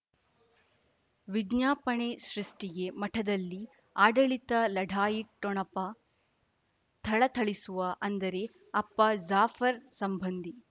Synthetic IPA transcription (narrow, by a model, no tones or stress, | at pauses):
ʋiɡɲaːpɐɳeʃɾiʂʈiɡe̞mɐʈʰɐd̪ɐlːi | aːɖɐɭit̪ɐlɐɖʱaːjiʈːɔɳɐpɐ | t̪ʰɐɭɐt̪ʰɐɭisuʋɐʔɐnd̪ɐɾe̞ | ɐpːɐd͡ʒaːfʰɐɾsɐmbʱɐnd̪i